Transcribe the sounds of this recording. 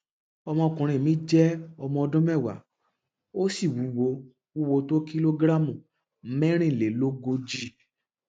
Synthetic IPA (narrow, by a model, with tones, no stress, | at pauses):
ɔ˧mɔ̃˧ɔ˧kũ˨ɾ̃ĩ˧˨mĩ˨˦d͡ʒɛ˦ɔ˧mɔ̃˧ɔ˧dũ˦mɛ˦˨wa̰˨˦ | o˦si˦˨wu˨˦wo˧ | wu˦wo˧to˦ki˦lo˧ɡɾa˦mũ˨˦ | mɛ̃˦ɾ̃ĩ˦˨le˨lo˦ɡo˧d͡ʒi˧˦